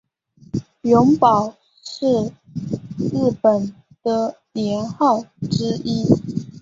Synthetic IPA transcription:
jʊ˧˥ŋpɑ˨˩ʊ | ʂɻ̩˥˧ | ɻɻ̩˥˩pə˨˩n | d̪̥ə˧ljɛ˧˥nxɑ˥˩ʊʈ͡ʂɻ̩˥i˥

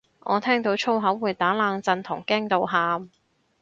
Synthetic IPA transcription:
ʔɔ̰ː˨˧t̪ʰɛː˥ŋt̪o˨˥wt͡ʃʰo˥wɦɐ˨˥wːuː˨˩jt̪aː˨˥laː˨˧ŋt͡sɐ˧nt̪ʰʊ˨˩ŋkɛː˥ŋt̪o˨˧wɦaː˧m

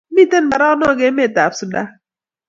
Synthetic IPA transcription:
mi˦˨te˦˨n˨ba˨ɾa˦nɔ˦˨ɡe˦me˦˨ta˨psʊ˨da˦

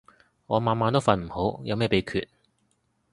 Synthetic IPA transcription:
ŋɔː˨˧maː˨˧nmaː˧nt̪o˥wfɐ˨˧nm̩˨˩ho˨˥wjɐ˨˧wmɛː˥˩pe˨˧˥kʰyː˨t̚

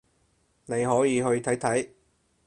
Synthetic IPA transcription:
ne˨˧jɦɔː˨˥jiː˨˧ɦɵ˧ɥt̪ʰɐ˨˥jt̪ʰɐ˨˥j

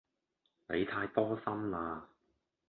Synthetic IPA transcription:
nḛ˨˧jt̪ʰaː˧jt̪ɔː˥sɐ˥mlaː˧

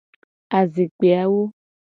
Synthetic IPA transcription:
a˨ze˨k͡pe˨a˦wo˦

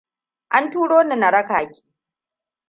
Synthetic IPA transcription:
ʔa˦ntuː˦ɽoː˦na˨na˨ɽɐ˦kaː˨kʲi̥ː˦

